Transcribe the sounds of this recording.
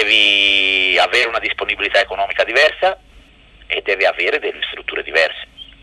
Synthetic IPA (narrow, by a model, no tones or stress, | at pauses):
ɛːvi | avɛːɾeunad̪isponibilit̪aekonɔːmikad̪ivɛrsa | ed̪ːɛːviaveːɾed̪elːest̪ɾut̪ːuːɾed̪ivɛrse̥